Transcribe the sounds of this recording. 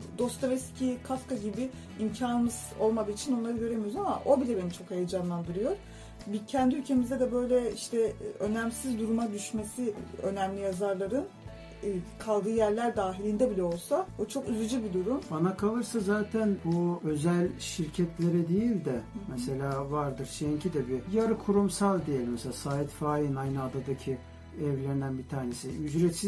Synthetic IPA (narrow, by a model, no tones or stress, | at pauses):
d̪o̞st̪avɛscʰikʰafkaɟibɪ | imcʰaːnɯmɯz̥o̞lˠmad̪ɯːit͡ʃʰino̞nlˠaɾɯɟø̞ɾe̞mijozama̰ʔo̞bilʲɛbe̞nit͡ʃʰo̞khejed͡ʒanlˠand̪ɯɾɯjo̞ɾ̥ | bicʰɛnd̪iylʲcʰe̞mizd̪ɛd̪ɛbø̞jlʲɛiʃt̪ʰɛø̞næmsizd̪uɾumad̪yʃmesiø̞̰næmlʲijazaɾlˠaɾɯnː | kʰalˠd̪ɯːjæɾlʲæɾd̪aːɦilʲind̪ɛbilʲɛo̞lˠsaut͡ʃʰo̞kyzyd͡ʒybid̪uɾumbanakʰalˠɯɾsazaːt̪ʰænbuø̞zælʲʃiɾcʰɛt̪lʲe̞ɾɛd̪ejilʲd̪ɛmɛse̞lʲaːvaɾd̪ɯɾʃejiɲcʰid̪ɛbijaɾɯkʰuɾumsalˠd̪ijelʲmɛselʲaːsaːit̪faːjinajnɯad̪ad̪acʰi | ɛvlʲeɾind̪ænbit̪ʰaːɾnesiyzɾet̪siz